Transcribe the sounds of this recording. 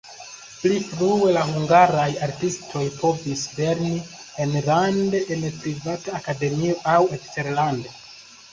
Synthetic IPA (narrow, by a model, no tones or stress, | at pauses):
plifɾue̞lahuŋɡaɾajaɾtistʰo̞jpo̞visle̞ɾni | enlandeʔenpɾivataːkade̞mio̞ʔawekste̞ɾlande